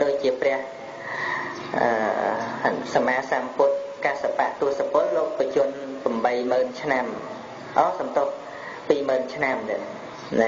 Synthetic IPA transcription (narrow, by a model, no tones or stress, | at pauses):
ɗoːc̚t͡ɕiəprɛ̆əh | ʔəː | samaːsampʊt̪̚kasapaʔt̪ʊəhsapŏəloːʔpːət͡ɕuənpamɓəjməːnt͡ɕʰnam | ʔɑːsɑmt̪oəh | piːməːnt͡ɕʰnamɗa | na